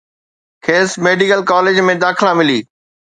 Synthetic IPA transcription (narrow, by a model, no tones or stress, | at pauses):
kʰeːsmeːɖikəlkaːleːd͡ʑmẽd̪aːkʰɪlãmɪliː